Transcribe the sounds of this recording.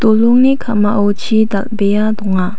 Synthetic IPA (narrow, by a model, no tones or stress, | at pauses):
t̪oloŋnikʰamaʔot͡ɕʰiːt̪aʔbejɑ̃d̪oŋːa